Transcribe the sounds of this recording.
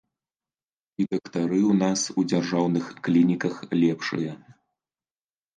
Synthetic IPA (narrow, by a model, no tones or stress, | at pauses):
id̪ɐkt̪aɾɨwn̪asud͡zʲarʐawnɨxklʲinʲikɐxlʲɛpʂɨ̰jɐ